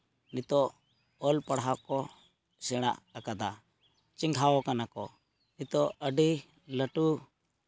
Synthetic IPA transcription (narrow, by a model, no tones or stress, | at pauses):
nit̪ɔ | ɔlpəɽɦakɔ | sɛɽ̃a̰ʔəkad̪a | t͡ʃiŋɡʱawɔkanakɔ̰ | nit̪ɔəɖi | ləʈu